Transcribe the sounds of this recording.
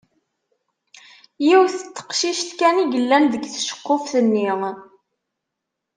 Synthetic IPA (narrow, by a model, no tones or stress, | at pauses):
jiwθət͡s̪ːə̥qʃiʃt̪kæniʝəlːænðəɡθʃə̥qːofθənːi